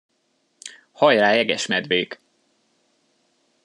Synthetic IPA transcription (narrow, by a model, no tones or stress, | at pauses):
hɒjraːɛɡɛʃmɛd̪veːk